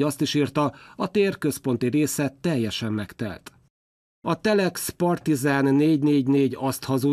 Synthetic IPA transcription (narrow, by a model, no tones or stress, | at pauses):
ɒst̪iʃiːrt̪ɒɒt̪eːrkøspo̞nt̪iɾeːsɛt̪ːɛjːɛʃɛmːɛkt̪ɛ̰lt̪ | ɒt̪ɛlɛkspɒrt̪izaːnːeːɟneːɟneːɟɒst̪hɒzu